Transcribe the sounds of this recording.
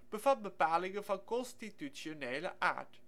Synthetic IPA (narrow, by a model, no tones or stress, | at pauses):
b̥əvɑt̚bəpaːlɪŋənvɑnkɔnstityt͡ʃoneːlə̰ʔa̰ːɹt